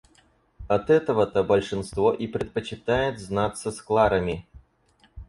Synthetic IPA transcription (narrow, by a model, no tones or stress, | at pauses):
ɐt̪ɛt̪əvət̪əbəlʲʂɨnst̪voʔipɾʲɪt̪̚pət͡ɕɪt̪ajɪt̪znat̪sːəsklˠaɾəmʲɪ